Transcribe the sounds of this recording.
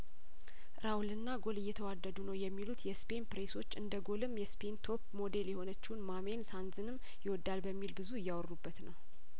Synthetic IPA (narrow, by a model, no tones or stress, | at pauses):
ɾawlɨnːaɡo̞lɨjːɛt̪ʰəwad̪ːəd̪unəwjɛmːilut̪jɛspe̞npɾeso̞t͡ʃːɨnd̪əɡo̞lɨmjɛspʰe̞nt̪ʰo̞pmo̞d̪e̞ljɛho̞nət͡ʃːɪhnmame̞nsanzɨnɨmː | jɪwɔd̪ːalbəmːilbɨzuɨjːawrːubːət̪nəw